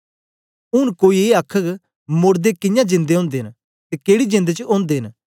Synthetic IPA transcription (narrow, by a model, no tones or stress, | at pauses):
ʊnkoːieɐkʰːəɡ | mʊːɾd̪ekɪ̃jãd͡ʒɪ̃nd̪eɦõːnd̪en | t̪ekeːɽid͡ʒɪ̃nd̪et͡ʃəʔõːnd̪eːn